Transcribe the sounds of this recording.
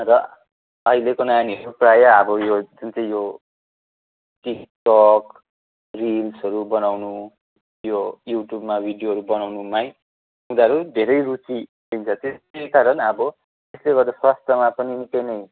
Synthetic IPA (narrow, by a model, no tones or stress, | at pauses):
rʌ | ʌɦilekonaaniɦʌɾuprajaʌbʌjod͡zunt͡sʌĩjo | ʈikʈʌk | rilsʌɾubʌnawnu | jojuʈjubmabʱiɖijoɦʌɾubʌnawnumaj | ɦũd̪aʌɾud̪ʱeɾʌjrut͡si | d̪int͡sʰʌt̪esk̪aɾʌnʌbʌ | t̪esleɡʌrd̪aswast̪ʌmapʌninikʌjnʌj